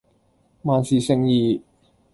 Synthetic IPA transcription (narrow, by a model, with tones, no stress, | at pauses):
maː˨˧nsiː˨sɪ˨˧ŋjiː˨˧˩